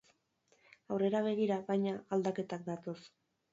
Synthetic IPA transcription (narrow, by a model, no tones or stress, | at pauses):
awre̞ɾaβ̞e̞ɣ̞iɾaβajɲaɣald̪ake̞t̪ak̚d̪at̪o̞s